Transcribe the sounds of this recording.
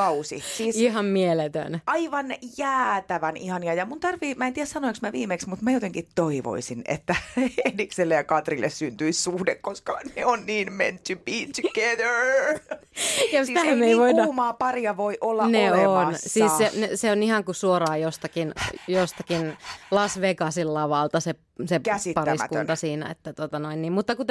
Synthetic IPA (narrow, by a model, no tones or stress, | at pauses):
ɑusḭsiːsiɦɑmmielet̪ø̰nɑiʋɑnjæːt̪æʋænihɑniɑjɑmunt̪ɑrʋiːmæent̪iæssɑnoiksmæʋiːmeksmut̪mæjot̪eŋkit̪ːoiʋo̰isinḛt̪ːæedikselːejɑkɑt̪rilːʔḛssynt̪yissuhdekkːoskɑneonniːnmḛnt̪ybiːt̪uɡeðə˞ | jost̪æhæmːeiʋoinːɑmɑːpɑriɑʋoiʔolːɑneonsiːsseneseonihɑŋkusuorɑːjost̪ɑkinjost̪ɑkinlɑsʋekɑsilːɑʋɑlt̪ɑse | sekæsit̪pɑrsæ̰tkuɑsiːnæ̰ḛt̪ːæt̪ot̪ɑnoinniːmmut̪ːɑkut̪